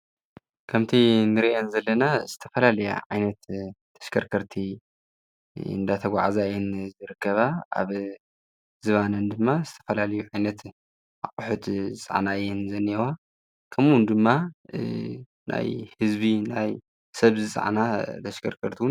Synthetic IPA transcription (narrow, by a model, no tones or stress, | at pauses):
kʰɐmt̪ʰinɨɾiʔenzɐlːɐnaz̥ɨt̪ʰɐfɐlalɐja̰ʕajnɐt̪ʰː | ɐ̥ʃkʰɐɾkʰɐɾt̪ʰi | ɨ̰nd̪at̪ʰɐɡʷa̰ʕazaɨjɛnzɨɾɨkːɐβaa̰β | zɨβanɨnd̪ɨmːazɨt̪ʰɐ̥fɐlalɐjuʕajnɐt̪ | ʔa̰χʼuħut̪zɨt͡sʼa̰ʕnaɨjɛnzɐnːiwa | kʰɐmwʊnd̪ɨmːa | nʔa̰jhɨzbinaj | sɐβzɨt͡sʼa̰ʕnat̪ʰɐʃkʰɐɾkʰɐɾt̪ʰiw